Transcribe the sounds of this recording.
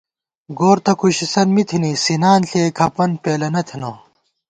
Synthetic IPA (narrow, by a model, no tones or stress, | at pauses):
ɡoːɾt̪ʰɐkʰuɕisɐnmit̪ʰinisinaːnɬʰeːkʰɐpɐnpeːlɐnɐt̪ʰino